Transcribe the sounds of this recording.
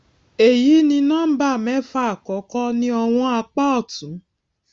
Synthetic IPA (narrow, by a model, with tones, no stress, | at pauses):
e˨ji˨˦nĩ˧nãː˦˨m̩˦ba˦˨mɛ̃˨˦fa˦a˨kɔ˨˦kɔ˦nĩ˧˦ɔ˧w̃ɔ̃˧a˧k͡pa˦ɔ˦˨tũ˨˦